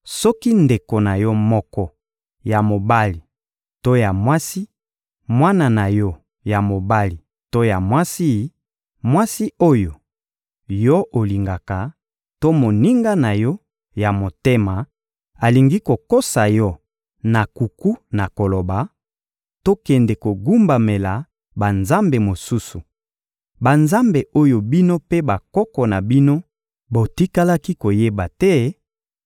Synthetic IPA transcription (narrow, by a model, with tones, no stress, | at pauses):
sɔ˦ki˦nde˨ko˨na˨jɔ˦mɔ˦kɔ˦ | ja˨mo˨ba˦li˨ | to˦ja˨mwa˦si˦ | mwa˦na˨na˨jɔ˦ | ja˨mo˨ba˦li˨ | to˦ja˨mwa˦si˦ | mwa˦si˦o˦jo˨ | jɔ˦ʔo˨li˨ŋɡa˨ka˨ | to˦mo˨ni˦ŋɡa˦na˨jɔ˦ | ja˨mo˨te˦ma˨ | a˨li˨ŋɡi˦ko˨ko˦sa˨jɔ˦ | na˨ku˨ku˦na˨ko˨lo˨ba˨ | to˦kɛ˨ndɛ˨ko˨ɡu˦mba˨me˨la˨ | ba˨nza˦mbe˨mo˨su˦su˨ | ba˨nza˦mbe˨ʔo˦jo˨bi˦no˦pe˦ba˨kɔ˦kɔ˨na˨bi˦no˦ | bo˨ti˦ka˦la˦ki˦ko˨je˦ba˨tɛ˦